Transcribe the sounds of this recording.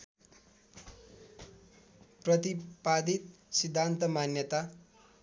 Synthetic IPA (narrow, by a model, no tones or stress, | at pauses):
prʌt̪ipad̪it̪̚ | sid̪ʱːant̪ʌmanjʌt̪a